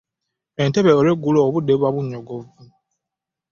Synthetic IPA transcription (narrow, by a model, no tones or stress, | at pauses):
enteβeoɾeɡulɔːβudeβaβuɲɔɡɔvu